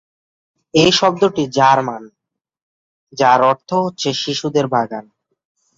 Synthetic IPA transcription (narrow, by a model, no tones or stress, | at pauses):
ejʃɔb̚d̪oʈid͡ʑaɾman | d͡ʑaɾɔɾt̪ʰoɦotːɕʰeʃiʃud̪eɾbʱaɡan